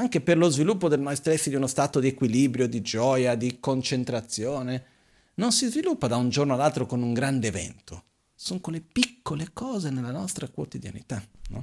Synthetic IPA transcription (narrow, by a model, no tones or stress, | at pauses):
aŋk̟eperlozvilupːod̪elmajst̪ɾesːid̪iunost̪aːt̪od̪iekwilibɾjod̪id͡ʒɔːjad̪ikont͡ʃent̪ɾat̪sːjoːne | nonsizvilupːad̪aund͡ʒornoalːalt̪ɾokonuŋɡɾand̪eːvɛ̰nt̪o̰ | soŋkolepikːolekɔːzenelːanɔst̪ɾakwot̪id̪ja̰nḭt̪anɔ̰